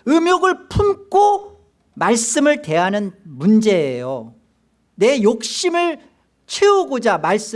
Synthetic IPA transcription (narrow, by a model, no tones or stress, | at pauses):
ɯmjʌɡɯɭpʰumk͈o | maɭs͈ɯmɯɭte̞ɦanɯnmund͡ʑe̞ːjo | ne̞jok̚ɕ͈imɯɭ | t͡ɕʰeoɡod͡ʑamaɭs͈ɯ